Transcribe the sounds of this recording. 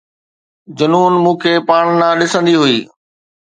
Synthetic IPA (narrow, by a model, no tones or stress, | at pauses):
d͡ʑɐnuːnmũːkʰeːpaːɽ̃nãːɗɪsə̃nd̪iɦuiː